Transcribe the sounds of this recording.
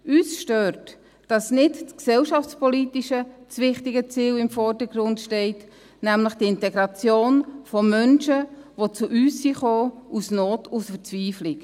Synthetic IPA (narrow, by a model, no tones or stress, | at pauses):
yːsʃtøːɾt | d̥ɑsnɪtt͡sksɛlʃɑft͡spɔlitiʃət͡sʋɪχtɪɡət͡siːlɪmfɔɾdəɡɾʊndʃtɛɪt | næmləχd̥iɪntɛɡɾɑt͡sjoːnfɔmœnʃəʋot͡suʔyːsːiːχoːusnoːtusfəɾt͡sʋiːflik